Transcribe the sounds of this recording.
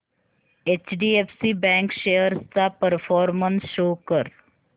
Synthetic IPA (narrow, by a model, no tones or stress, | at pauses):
eːt͡ʃɖiepsibɛ̃ːŋkʃeːjəɾst̪apəɾfʰɔːɾmənsʃoːkəɾ